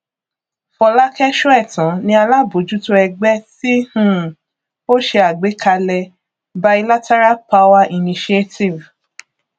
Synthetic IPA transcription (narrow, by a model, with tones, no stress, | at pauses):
fɔ˧la˦kɛ˦ʃu˦ɛ˦˨tã˨˦nĩ˧a˧la˦bo˨˦d͡ʒu˨˦to˧ɛ˧ɡ͡bɛ˦ti˦hũ˦˨ | o˦ʃe˧a˨ɡ͡be˨˦kʰa˧lɛ˧ | ba˧i˧la˦tɛ˦ɾa˦lpa˦wa˦ʔi˨nĩ˧ʃe˦ti˨v